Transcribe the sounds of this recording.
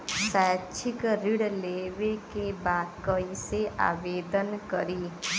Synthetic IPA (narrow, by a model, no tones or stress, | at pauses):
sɛːt͡ʃʰɪkɾɪɽleːʋekebaːd̪kəiseʔa̰ːʋeːd̪ənkəɾiː